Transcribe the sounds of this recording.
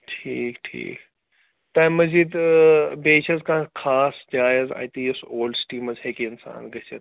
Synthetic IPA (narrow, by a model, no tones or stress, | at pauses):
ʈʰiːkʈʰḭːk | t̪aːmɐzid̪beːt͡ʃʰɐzkãːkʰaːsd͡ʒaːjza̰ːjt̪iːesoːlɖsʈiːmɐzheːkiɪnsa̰ːnɡɐsɐ̰t̪